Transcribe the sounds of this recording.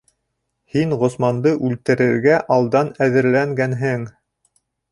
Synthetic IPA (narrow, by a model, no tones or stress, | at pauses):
hiŋʁŏsmɑnd̪ɤʔʉlt̪ɘ̆ɾɘ̆ɾɡæʔɑlˠd̪ɑnæðɘ̆ɾlæŋɡænɦɘŋ